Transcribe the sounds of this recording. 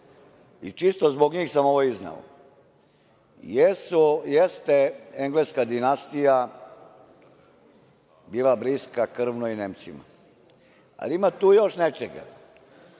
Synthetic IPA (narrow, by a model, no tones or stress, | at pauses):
it͡ʃist̪ozboɡɲiːxsamoʋoizna̰o̰ | jesujest̪eeŋɡleskad̪inast̪ija | biːlˠabɾiskakr̩ʋnoineːmt̪sima̰ | a̰liimat̪uːjoʃnet͡ʃeɡa̰